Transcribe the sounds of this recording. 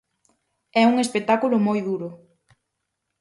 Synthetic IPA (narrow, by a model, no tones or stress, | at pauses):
ɛuŋespet̪akulʊmojðuɾʊ